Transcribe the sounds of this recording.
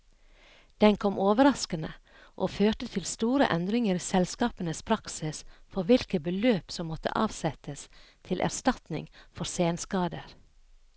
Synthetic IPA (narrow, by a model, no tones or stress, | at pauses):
d̪̥ɛnkʰɔmʔoːʋəɾɑskənə | ʔoːføːʈət̪ʰɪlst̪uːɾə̰ʔɛnd̪ɾɪŋəɾsɛlskɑːpənəspʰɾɑksɪsfɔɾʋɪlkəbəløːpsɔmːɔt̪ə̰ʔɑ̰ːʋsɛt̪əst̪ʰɪlʔæ̰ɾst̪ɑt̪nɪ̰ŋfɔɾseːnskɑːd̪əɾ